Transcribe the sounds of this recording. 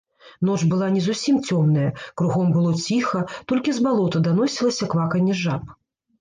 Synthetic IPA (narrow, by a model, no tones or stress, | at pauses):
n̪ɔt͡ʂbɨlˠanʲɛzusʲimt͡sʲɔmnɐjɐkɾuɣɔmbɨlˠɔt͡sʲixɐt̪ɔlʲkʲizbalˠɔt̪ɐd̪an̪ɔsʲilˠɐsʲɐkvakɐnʲɛʐap